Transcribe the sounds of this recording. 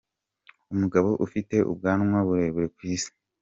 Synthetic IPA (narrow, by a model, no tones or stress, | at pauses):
umuɡaβo̞ʔufite̞ʔṵb̚ɡaːnŋwaβuɾeːβuɾekwiːsi̥